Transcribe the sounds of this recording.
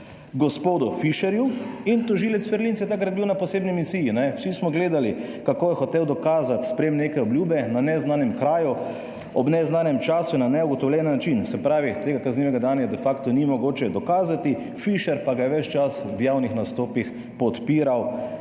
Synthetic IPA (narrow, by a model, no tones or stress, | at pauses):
ɡɔspoːd̪ʊfiʃɛɾjuint̪ɔʒiːlɛt̪sfɛɾlintsjɛt̪akɾaɾbiwnapɔseːbnimisiːjinɛwsismɔɡleːd̪alikakoːjɛxɔt̪eːwd̪ɔkaːzat̪spɾeːmneːkɛɔbljuːbɛnanɛznanɛmkɾaːju | ɔbnɛznaːnɛmt͡ʃaːsunanɛuɡɔt̪ɔwljɛnnːat͡ʃinsɛpɾaːʋit̪eːɡakazniʋɛɡad̪aːnjad̪ɛfakt̪ɔnimɔɡoːt͡ʃɛd̪ɔkaːzat̪i | fiʃɛɾpaɡajɛʋɛt͡ʃt͡ʃaswjaːwnixnast̪oːpix | pɔt̪piːɾaw